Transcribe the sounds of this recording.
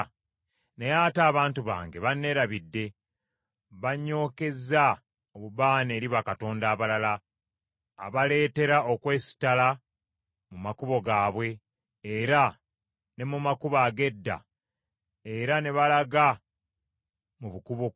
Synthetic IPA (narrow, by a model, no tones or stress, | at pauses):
nejaːtaːβaːntuβa̰ːŋɡe̞βanːe̞ɾaβidːe̞ | βaɲːo̞ːke̞za | oβubaːne̞ːɾiβakato̞ːndaːβalala̰ː | βale̞ːte̞ɾaokwe̞ːsi̥tala | mumakuβo̞ɡaːβwe̞ː | ɾa | ne̞mumakuβaːɡe̞dːa̰ | e̞ɾane̞βalaɡa | muβukuβo